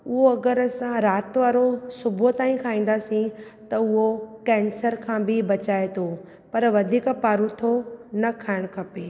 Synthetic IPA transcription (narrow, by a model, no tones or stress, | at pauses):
ʊɦoɐɡəɾsãɾaːt̪ʋaːɾosʊbʱot̪aːĩkʰaːĩːn̆d̪aːsĩt̪ɐʊɦokɛ̃ːnsəɾkʰãːbɪbɐt͡ɕaːet̪ʰo | pɐɾʋɐd̪ʱiːkpaːɾũt̪ʰonɐkʰaːɪɽ̃kʰɐpeː